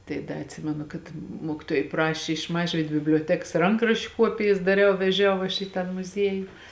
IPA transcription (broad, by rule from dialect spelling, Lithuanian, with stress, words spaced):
tɐɪ ˈdɐ ɐtʲˈsʲɪmʲɛnʊ kɐt ˈmuɔkʲɪˌtuɔjɛɪ ˈprɑːʃʲɪ ɪʃ ˈmɑːʒʲʋʲiːt bʲɪbʲlʲoːˈtʲɛks ˈrɐŋkrɐʃʲt͡ʃʲʊ ˈkuɔpʲɪjɛs dɐˈrʲɛʊ ʋʲɛˈʒʲɛʊ ɐʃ iː ˈtɑː mʊˈzʲiɛjʊ